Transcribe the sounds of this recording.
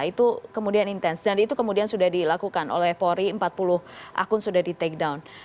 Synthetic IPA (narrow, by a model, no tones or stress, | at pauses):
it̪ukəmudianint̪ɛnsd͡ʒanit̪ukəmudiansudahdilakukano̰lɛhpoɾiəmpat̪̚pulʊhʔa̰kʊnsudahdit̪ek̚dawn